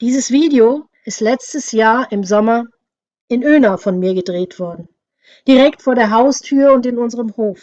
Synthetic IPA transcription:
d̥iːzəsv̥iːdeo | ɪstlɛt͡stəsjaːɐʔɪmzɔmɐ | ʔɪnøːnafɔnmiːɐɡədʁeːtv̥ɔɐdn̩ | d̥iʁɛktfoːɐɾeːɐɦaʊstʰyːɐʊntɪnʊnzəʁəmhoːf

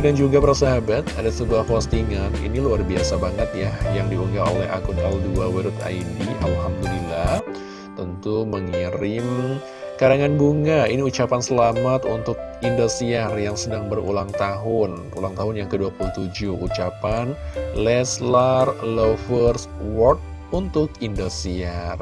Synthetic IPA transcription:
dand͡ʒuɡapərsaɦabat̪̚adasəbuahkost̪iŋanḭniluarbia̰sabaŋət̪̚jajaŋdiuŋɡaolɛɦa̰kʊnalduawiɾʊt̪a̰idiʔa̰lhamd̪ulilah | t̪ənt̪uməŋiɾɪm | kaɾaŋanɡuŋainiut͡ʃapansəlamat̪unt̪ʊk̚indosiarjaŋsənaŋbərṵlaŋt̪aɦʊn | ṵlaŋt̪aɦʊnjaŋkəduapuluht̪ud͡ʒuhut͡ʃapanlɛslarlofərswɔrt̪̚ | unt̪ʊkindosiar

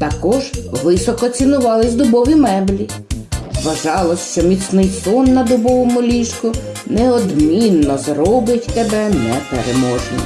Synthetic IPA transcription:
t̪ɐkɔʒʋɪsɔkɔt͡sʲinʊʋɑlˠɪsʲd̪ʊbɔʋʲimɛblʲi | ʋɐʒɑlˠɔʃt͡ʃɔmʲit̪snɪjsɔnːɐd̪ʊbɔʋɔmʊlʲiʃkʊ | neɔd̪mʲinːɔzrɔbɪtʲt̪ɛbɛnɛpeɾemɔʒnɔ̰

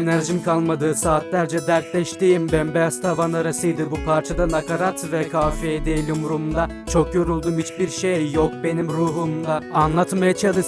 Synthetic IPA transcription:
næɾʒimkʰalˠmad̪ɯːsaːt̪lʲæɾd͡ʒɛd̪æɾt̪lʲɛʃt̪iːmbænbejast̪ʰavanaɾasɯjd̪ɯbupʰaɾt͡ʃʰad̪anakʰaɾat̪vɛkʰaːfed̪ejlʲimɾumd̪a | t͡ʃʰo̞kjo̞ɾulˠd̪umyt͡ʃbiɾʃejjok̚be̞nimɾuːɦumd̪ˠaːnlˠat̪majat͡ʃʰad̪ɯ

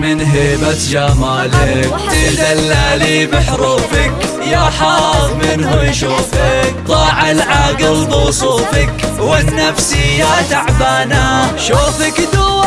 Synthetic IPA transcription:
mɪnɦeːbat̪d͡ʒamaːlɪkt̪ɪlɣalːaːlibɪħɾuːfɪk | jaːħɑɣmɪnɦʊjʃuːfɪkt̪ˤɑːʕalʕaɡɪlbɪwsˤuːfɪkwɪnːafsijat̪aʕbaːnaʃuːfakd̪ʊ

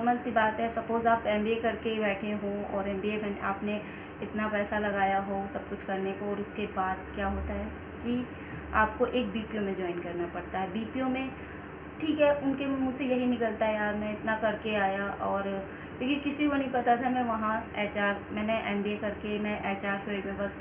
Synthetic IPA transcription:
ɐməlsibaːt̪ɦɛsɐpoːzaːpɛ̃ːmbiekɐɾkebɛːʈʰeɦõɔ̰ːɾɛ̃ːmbiemɛːnʔaːpne | ɪt̪napɛːsalɐɡaːjaɦosɐb̚kʊt͡ʃʰkɐɾnekoɔːɾʊskebaːd̪kjaːɦoːt̪aɦɛː | ki | aːpkoʔeːk̚biːpijõmẽd͡ʒɔːɪnkɐɾnapɐɽt̪aɦɛbiːpijõmẽ | ʈʰiːkɦɛʊnkem̃mʊd͡ʒsejɐɦinɪkəlt̪aɦɛjaːɾmɛ̃ɪt̪nakɐɾkeaːjaʔɔːɾ | kõːkĩkɪsikonɐɦĩpɐt̪at̪ʰamɛ̃ːʋɐɦãɛːt͡ʃaːɾmɛ̃ːneʔɛ̃ːmbiekɐɾkemɛ̃ʔɛːt͡ʃaːɾʃeːɖmẽbɐ

